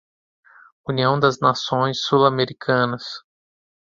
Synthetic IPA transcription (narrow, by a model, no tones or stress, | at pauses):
uniɐ̃w̃d̪ɐznasõj̃sːulameɾikʰɐ̃nɐs